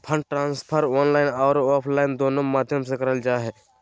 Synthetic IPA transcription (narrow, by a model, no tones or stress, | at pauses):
pʰə̃ɳɖ̚ʈɾãːnspʰəɾɔːnlaːɪnɔːɾɔːpʰlaːɪnd̪oːnomaːd̪ʱjəmsẽkəɾəld͡ʒaːɦɛ